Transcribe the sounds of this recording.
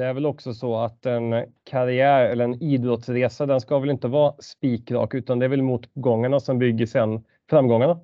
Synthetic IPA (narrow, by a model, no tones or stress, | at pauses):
d̪̥ɛæɾvɛlɔksɔsɔat̪ɛnkʰaɾɪæːɾɛlːəɾɛniːd̪ɾɔt̪sɾeːsad̪ɛnskavɛlɪnt̪əvɑːspiːkɾɑ̰ːkʉ̟ːt̪and̪ɛæɾvɛlmuːt̪ɡɔŋːaɳasɔmbʏɡːəʂɛnː | fɾamːɡɔŋːaɳa